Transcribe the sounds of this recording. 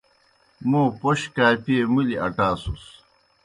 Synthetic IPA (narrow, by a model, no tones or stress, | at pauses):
mũːpoɕkaːpiemuliɐ̰ʈaːsus